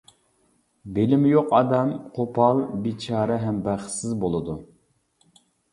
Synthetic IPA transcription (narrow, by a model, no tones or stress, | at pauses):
belɪmjoqɑd̪ɛmqʰopʰɑlˠbit͡ʃʰɑːɾɛɦɛmbæχsɪzbolˠɨd̪u